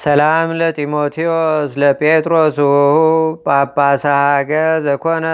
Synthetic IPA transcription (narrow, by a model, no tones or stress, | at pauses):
sɐlamlət̪ʼimot̪ʰiosləpʼet̪ʼɾosuhbʼapːasahaɡəɾzəkʰonə